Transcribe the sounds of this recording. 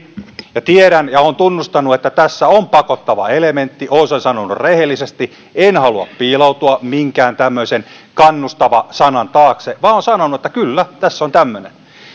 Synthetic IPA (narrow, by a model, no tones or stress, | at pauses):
jɑt̪ieɾænjɑoːnt̪unːust̪ɑnːuet̪ːæt̪æsːæompɑkot̪ːɑʋɑ̰element̪ːiʔoːnsensɑnonːurrehelːisest̪i | enhɑluɑ̰ppiːlout̪uɑmiŋkæːnt̪æmːøisen | kɑnːust̪ɑʋɑsɑnɑnt̪ɑːkseʋɑːoːnsɑnonuet̪ːækylːæt̪æsːont̪æmːønḛn